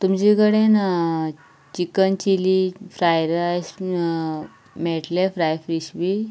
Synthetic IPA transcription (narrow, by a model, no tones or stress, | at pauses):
t̪umd͡ʑiɡəɽen | t͡ɕikənt͡ɕilifɾajɾas | meʈlefɾajfɾiɕʋi